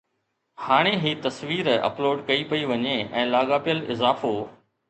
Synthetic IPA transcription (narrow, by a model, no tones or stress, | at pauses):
haːɽ̃eɦiːt̪ɐsʋiːɾɐ̰ploːɖkɐipɐiʋɐɲeɛ̰̃ːlaːɠaːpijəlɪzaːfoː